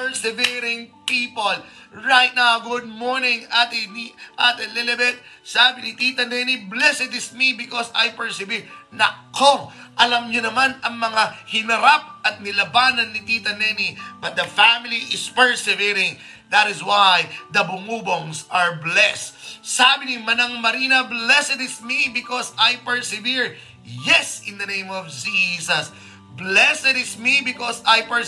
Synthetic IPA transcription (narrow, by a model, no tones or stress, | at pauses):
pɛɹsɛviɾɪŋpipol | ɹajt̪̚nawɡʊd̪̚moɹnɪŋʔat̪ɛniʔat̪ɛlɛlɛbɛt̪̚saːbɪnɪt̪it̪ɐnɛniblɛsɛd̪ɪsmibɪkosɐjpɛɹsɪvinɐkʰoʔɐlɐmɲonɐmanɐŋmɐŋahɪnɐɾap̚ʔɐt̪̚nɪlɐbaːnɐnːɪt̪it̪ɐnɛnibɐt̪̚d̪ɐfamɪliʔɪspɛɹsɛviɾɪ̃ŋ | d̪ɐt̪ɪswajd̪ɐbʊŋuːboŋsɐɹblɛst̪sabɪnimɐnɐŋmɐɾinɐblɛsɛd̪ɪsmibɪkɔsajpɛɹsɪviɹ | jɛsɪ̃nd̪ɐnẽj̃mɔvd͡ʒisɐs | blɛsɛd̪ɪsmibɪkɔsajpɛ